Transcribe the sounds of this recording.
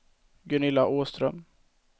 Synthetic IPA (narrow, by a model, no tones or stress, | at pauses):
ɡɵnɪlːaʔoːst̪ɾœm